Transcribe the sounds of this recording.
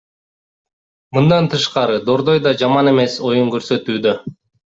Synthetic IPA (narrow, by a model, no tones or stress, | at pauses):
mɯnd̪ɑnt̪ɯʃqɑɾɯd̪o̞ɾd̪o̞jd̪ɑd͡ʒɑmɑne̞me̞so̞juŋkøɾsø̞t̪yːd̪ø